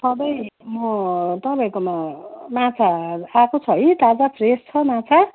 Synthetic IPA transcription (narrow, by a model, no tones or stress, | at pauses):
sʌb̪ʌjmʌt̪ʌbaĩkomamãt͡sʰaakʰot͡sʰʌɦit̪ad͡zapʰrest͡sʰʌmat͡sʰa